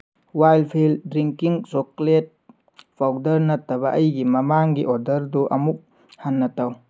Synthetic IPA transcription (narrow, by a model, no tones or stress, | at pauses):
wajlpʰildɾiŋkiŋsoklet̚ | b̥ʰawdɐɾnɐtːɐβɐʔɐjɡimɐmaŋɡiʔoɾdɐɾduʔɐmuk̚ | hanːɐtaw